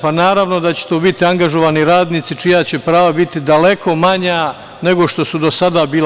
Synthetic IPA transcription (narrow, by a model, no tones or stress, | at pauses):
panaːɾaʋno̞d̪at͡ɕe̥t̪oːbit̪iaŋɡaʒo̞ʋaːniɾaːd̪niːt̪sit͡ʃijat͡ɕe̞pɾaːʋabit̪id̪ale̞kʰo̞maɲa | ne̞ɡo̞ʃt̪o̞sud̪o̞sad̪abiːl